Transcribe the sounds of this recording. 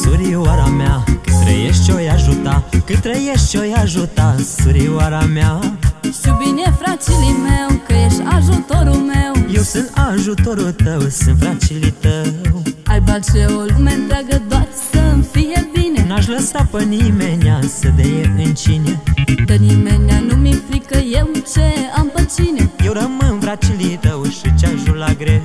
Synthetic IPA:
suɾiwaɾamakɨt̪ɾɐ̰jeʃt͡ʃojaʒut̪akɨt̪ɾəjeʃt͡ʃ̪ojaʒut̪asuɾiwaɾamaʃt̪ubinefɾat͡ʃilimewkəeʃaʒut̪oɾumewiwsɨ̃nt̪aʒut̪oɾut̪əwsɨ̃nfɾat͡ʃilit̪əwalbalt͡ʃeulument̪ɾaɡəd̪oat̪sʲsəmfijebinenaʃ̬ləsapənimenʲasəd̪ejekɨnt͡ʃinʲed̪animenʲanumiplikəjewt͡ʃeampət͡ʃinejewɾəmɨnfɾat͡ʃilit̪əwʃɨt͡ʃaʒulaɡɾe

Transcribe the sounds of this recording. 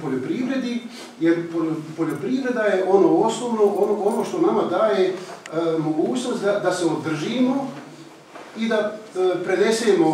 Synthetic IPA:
poʎopɾiʋɾe̞d̪i | jeɾpo̞ʎo̞pɾiʋɾe̞d̪ajeʔo̞noːosnoːʋnoonoonoːʃt̪o̞namad̪aːje | mo̞ɡuːt͡ɕno̞st̪d̪ad̪ase̞od̪r̩ʒiːmo̞ | id̪apɾe̞d̪e̞seːmo̞

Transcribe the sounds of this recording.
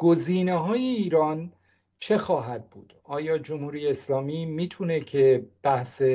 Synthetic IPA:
ɡ̥oziːneɦɒːjeiːɾɒːn | t͡ʃʰe̞xɒːɦæd̪̚bṵːd̪̥ɒːjɒːd͡ʒomhuːɾiːjeːslɒːmiːmiːt̪ʰunecʰeb̥æhse

